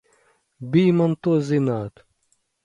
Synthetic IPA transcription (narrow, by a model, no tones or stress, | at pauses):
biːmɐnt̪ozinaːt̪